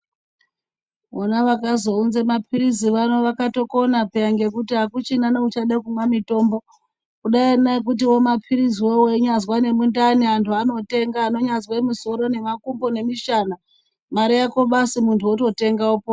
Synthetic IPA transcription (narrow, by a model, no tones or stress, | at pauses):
onaʋakazo̞unzemapʰiɾiziʋano̞ʋakato̞ko̞napejaŋɡe̞kutiɦakut͡ʃinanout͡ʃaɗakumwamito̞ːmbo̞ | kuɗainaek̬ut̬iwo̞mapʰiɾiziwowoiɲazwane̞mundaniɦantʰuano̞te̞ŋɡaːno̞ɲazwaemiso̞ɾo̞ne̞makumbo̞ne̞miʃana | maɾijakoɓasimuntʰuoto̞te̞ŋɡaopo